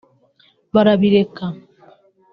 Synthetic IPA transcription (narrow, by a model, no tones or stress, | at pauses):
baɾabiɾeka